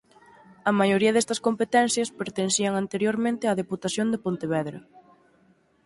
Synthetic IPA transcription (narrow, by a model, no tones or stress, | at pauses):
ɐmajoɾiɐðɛst̪ɐskompet̪ɛn̟θjɐspeɾt̪enθiɐŋant̪eɾjoɾmẽnt̪ɪaðeput̪aθjond̪epont̪eβɛðɾɐ